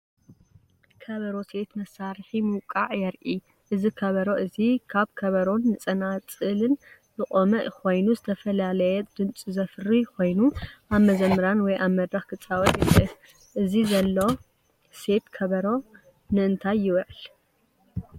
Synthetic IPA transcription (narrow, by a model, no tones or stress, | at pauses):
kʰɐβɐɾo̞se̞t̪mɐsːaɾħimuwkʼːaʕjɛɾʔi | ʔɨzikʰɐβɐɾoʔɨzikʰaβkʰɐβɐɾo̞nːɨt͡sʼɐnat͡sʼɨlɨn | zɨχʼomɐʔkʰo̞jnuzɨt̪ʰɐfɐlalɐjɛd̪̥ɨnt͡sʼuzɐfɨrikʰo̞jnuʔaβmɐzɐmːɨɾanwɔjʔaβmɐd̪ɾaxkʰɨt͡sʼawɐt̪jɪɾɨf | ʔɨzizɐlːo̞ | se̞t̪kʰɐβɐɾo̞ | nɨɨnt̪ʰajːɪwʕɨl